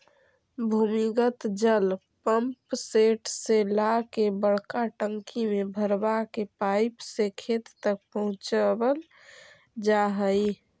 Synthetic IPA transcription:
bʱumiɡət̪d͡ʒəl | pəmpseʈʰselakebəɽkaʈəŋkimebʱəɾbakepajɪpsekʰet̪t̪ək̚pəɦʊ̃t͡ʃbəl | d͡ʒaɦəi

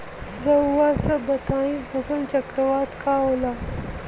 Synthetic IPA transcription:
sɾəwːasəbət̪ʰaĩpəsəlt͡ɕəkɾəʋat̪kaola

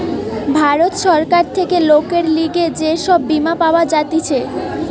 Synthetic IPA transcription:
bʱaɾot̪ʃɔɾkaɾt̪ʰekelokeɾliɡed͡ʑeʃɔbːimapaoad͡ʑat̪it͡ɕʰe

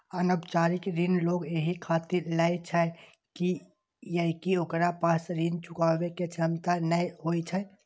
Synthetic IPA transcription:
ənəbt͡ʃaːɾɪkɾinloːɡjeɦikʰaːt̪iɾlaet͡ʃʰə | ki | jəɦkiokɾapaːsɾint͡ʃʊkaːʋeket͡ʃʰəmt̪anəiɦoːit͡ʃʰə

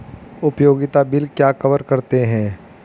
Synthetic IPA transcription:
ʊpjoːɡɪt̪abɪlkjaːkɐʋəɾkɐɾt̪eɦɛ̃ː

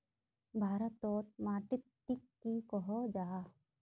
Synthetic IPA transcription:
bʱaːɾat̪ɔːt̪̚maʈit̪̚ʈikːikɔɦɔd͡ʒaː

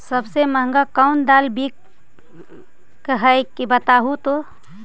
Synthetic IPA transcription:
səbseməɦə̃ŋɡakəʊnd̪aːlbi | kəɦəkibət̪aːɦut̪o

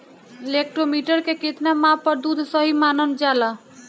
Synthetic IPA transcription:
elek̚ʈɾomiʈəɾkekit̪namãpːəɾd̪ud̪ʱsəɦimanənd͡ʒalə

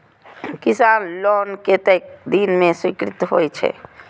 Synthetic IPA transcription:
kisanlɔnket̪ek̚d̪inmeswikɾit̪ɦojt͡ʃʰɛ̰

